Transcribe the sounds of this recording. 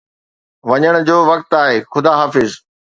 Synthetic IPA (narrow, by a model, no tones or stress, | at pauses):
ʋɐɲəɽ̃d͡ʑoːʋɐkt̪aːɦeːxʊd̪aːɦaːfɪz